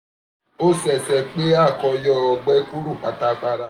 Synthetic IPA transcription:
o˦sɛ˨sɛ˧k͡pe˦a˦˨kɔ˧jɔ˦˨ɔ˨ɡ͡bɛ˦ku˦ɾu˦˨k͡pa˨ta˨k͡pa˧ɾa˧˦

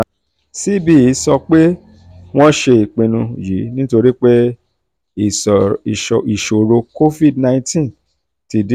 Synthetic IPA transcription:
si˦bi˦i˨˦sɔ˧k͡pe˦ | w̃ɔ̃˦ʃe˧i˨k͡pĩ˨nũ˧ji˨˦nĩ˦to˧ɾi˦k͡pe˦˨ | i˨ʃo˨ɾo˧ko˦fi˦˨dnã˧ĩ˧tĩ˦n | ti˧d

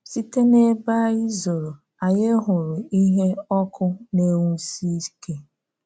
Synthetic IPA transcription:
si˦te˦ne˦ba˦i˦zo˨ɾo˨ | a˨je˦ɦʊ˨ɾʊ˨i˦ɦe˦ɔ˦kʊ˦ne˦wu˦si˦ke˦

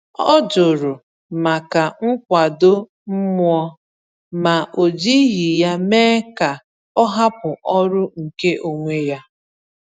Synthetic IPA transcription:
ɔ̰˦d͡ʒʊ˨ɾʊ˨ | ma˨ka˨ŋ̩˦kʷa˨do˦ | m̩˦mʊ˦ɔ˦ | ma˨ʔo˨d͡ʒi˦ɦi˨ja˦meː˦ka˨ | ɔ˦ɦa˦pʊ˨ʔɔ˦ɾʊ˦ŋ̩˨ke˦ʔo˨ŋʷe˦ja˦

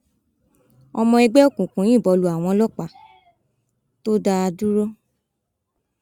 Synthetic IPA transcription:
ɔ˧mɔ̃˧ɛ˧ɡ͡bɛ˦o˦kũ˨kũ˨˦j̃ĩ˦˨bɔ˨˧lu˨a˨w̃ɔ̃˧˦lɔ˦k͡pa˨ | to˦da˧a˧du˦ɾɔ˦

